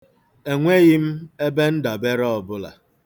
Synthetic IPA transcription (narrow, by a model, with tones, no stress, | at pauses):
e˨ŋʷe˦ɣɪ˦m̩˦e˦be˦n̩˦da˨be˦ɾɔ˦ɔ˨bʊ˦la̰˨